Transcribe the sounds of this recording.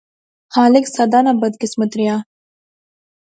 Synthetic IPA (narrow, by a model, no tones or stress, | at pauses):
xaːlɪksad̪anabɐd̪kɪsmɐt̪ɾija